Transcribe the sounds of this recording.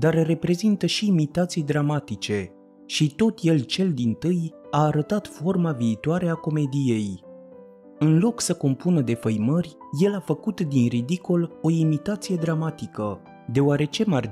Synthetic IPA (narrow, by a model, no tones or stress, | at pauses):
d̪arre̞pɾe̞zint̪əʃiːmit̪at̪sijd̪ɾamat̪it͡ʃe̞ | ʃit̪o̞t̪je̞lt͡ʃe̞ld̪int̪ɨjaːɾət̪at̪fo̞rmaviːt̪oaɾe̞ako̞me̞d̪ije̞j | ɨnlo̞ksəko̞mpunəd̪e̞fəjmərʲ | je̞lafəkut̪d̪inrid̪iko̞lo̞imit̪at̪sije̞d̪ɾamat̪ikə | d̪e̞oaɾe̞t͡ʃe̞mar